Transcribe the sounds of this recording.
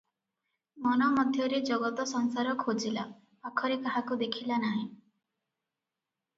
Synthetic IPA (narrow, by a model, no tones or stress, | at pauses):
mɔnɔmɔd̪ʱjɔɾed͡ʒɔɡɔt̪ɔsɔŋsaɾɔkʰod͡ʒila | akʰɔɾekaɦakud̪ekʰilanaɦĩ